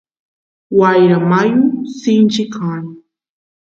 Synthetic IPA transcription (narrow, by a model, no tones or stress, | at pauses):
wajɾamajʊsɪnt͡ʃɪkʰan